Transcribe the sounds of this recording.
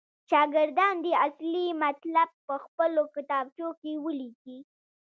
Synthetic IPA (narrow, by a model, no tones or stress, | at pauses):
ʃɑɡɪɾd̪ɑnd̪əaslimat̪lab̚pəxpəlokɪt̪ɑb̚t͡ʃokewəliki